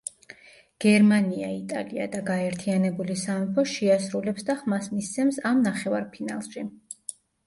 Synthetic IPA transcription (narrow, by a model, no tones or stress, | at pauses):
ɡ̥ɛɾmania̰it̪ʼa̰lia̰d̪aɡaɛɾt̪ʰianɛbulisaɔpʰɔʃiasɾulɛpsd̪aχmasmist̪sʰɛmsamnaχɛvaɾpʰina̰lˠʃi